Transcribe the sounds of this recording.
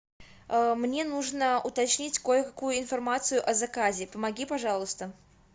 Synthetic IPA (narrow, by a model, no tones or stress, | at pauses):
əmnʲe̞nuʐnəʊt̪ɐt͡ɕnʲitʲkojəkɐkujʊɪnfɐrmat̪sɨjʊʔɐzɐkazʲɪpəmɐɡʲipɐʐɑlˠʊst̪ə